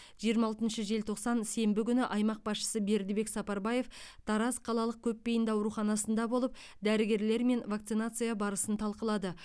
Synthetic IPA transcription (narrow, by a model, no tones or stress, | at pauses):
ʒijəɾmɑlˠt̪ənʃəʒe̞lt̪ʰo̞qsɑnse̞mbɪkʲʏnɪʔɑjmɑq̚bɑsʃə̥səbe̞ɾd̪ɪbe̞ksɑpɑɾbɑje̞ft̪ʰɑɾɑsqʰɑlˠɑlˠəq̚kʲʰɵpːe̞jɪnd̪ɑwɾuχɑnɑsənd̪ɑbo̞lˠəp̚ | d̪æɾɪɡʲe̞ɾle̞ɾme̞nvak̚t̪sɨnat̪sɨjɑbɑɾəsənt̪ʰɑlˠqəlˠɑd̪ə